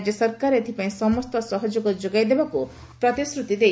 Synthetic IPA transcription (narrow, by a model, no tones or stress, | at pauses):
d͡ʒjɔsɔɾkaɾet̪ʰipaĩsɔmɔst̪ɔsɔɦɔd͡ʒoɡɔd͡ʒoɡajd̪ebaku | pɾɔt̪isɾut̪id̪e